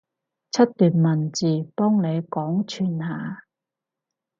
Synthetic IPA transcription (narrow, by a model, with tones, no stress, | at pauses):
t͡sʰɐ˥t̚t̪yː˨nmɐ˨nt͡siː˨˩pɔː˥ŋne˨˧jkɔː˨˥ŋt͡ʃʰyː˨˩nhaː˨˧